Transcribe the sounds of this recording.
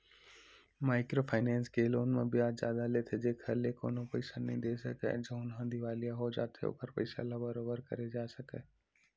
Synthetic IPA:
maːɪkɾopʰaːɪnɛ̃ːnskeːloːnmẽbijaːzjaːd̪alet̪ʰed͡ʒekʰɐleko̰ːnopɐɪsanəĩd̪eːsɐkɛ̰d͡ʒɐ̃ʊnɦə̃ːnd̪ʱiʋaːlijaɦod͡ʒa̰ːt̪ʰḛo̰ːkəɾpɐ̰ɪsa̰labəɾoːbəɾkɐ̰ɾed͡ʒaːsɐke

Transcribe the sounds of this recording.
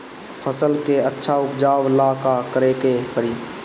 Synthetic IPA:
fʰəsəlkeətːʃʰaʊpd͡ʒaːʋəlaːkakəɾeːkekəɾiː

